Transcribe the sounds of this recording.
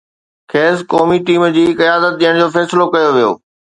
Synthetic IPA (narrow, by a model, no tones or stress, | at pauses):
kʰeːskɔːmiʈiːmd͡ʑiːkɐjaːd̪ət̪̚ɗ̪ijəɽ̃d͡ʑoːfɛːsɪlokɐjoʋijo̰ː